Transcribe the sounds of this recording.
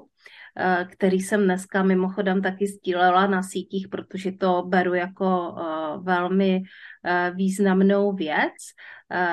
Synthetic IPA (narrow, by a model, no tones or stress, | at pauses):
kt̪ɛɾiːsɛmnɛskamɪmoxo̞dɛmt̪akɪzɟiːlɛlanasiːciːxpɾot̪oʒɛt̪o̞bɛɾujako̞vɛlmɪ | viːznamnowvjɛt͡s